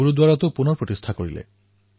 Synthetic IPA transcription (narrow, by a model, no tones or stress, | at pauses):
uɾud̪waɹat̪opunɔɾpɹot̪ist̪ʰakoɹḭlḛ